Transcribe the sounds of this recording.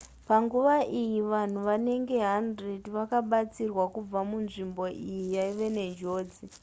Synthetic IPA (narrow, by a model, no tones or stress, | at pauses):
paŋɡuʋaʔijiʋan̤uʋane̞ŋɡe̞ɦandrediʋakaɓat͡sirwakub͡vamunʐimbo̞ʔijijaiʋe̞ne̞d͡ʒo̞ːd͡zi